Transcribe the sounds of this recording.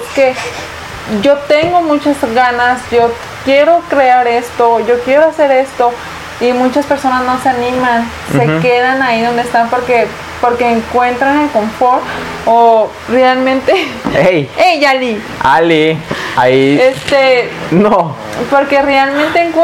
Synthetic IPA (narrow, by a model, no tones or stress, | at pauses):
ke | ʝot̪eŋɡomut͡ʃazɣanasʝo | kjeɾokɾeaɾest̪oʝokjeɾoaseɾest̪o | imut͡ʃaspeɾsonasnoseaniman | sekeðanaiðo̞nd̪est̪ampoɾke | poɾkeːŋkwent̪ɾanelkoɱfoɾt | o | realmẽnt̪eejejali | aliaiest̪eno | poɾkerealmẽnt̪eŋk